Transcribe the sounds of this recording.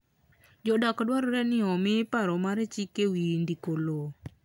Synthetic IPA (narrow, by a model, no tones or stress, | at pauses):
d͡ʒɔdakɔdwaɾɾɛnɪɔmɪpaɾɔmaɾɛt͡ʃikewindikolo